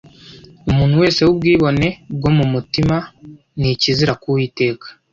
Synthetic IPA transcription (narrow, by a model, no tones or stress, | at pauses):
umuːn̥huwe̞ːse̞ub̚ɡiːβo̞ne̞bɡo̞mumutima | niciziɾakuwiːte̞ːkḁ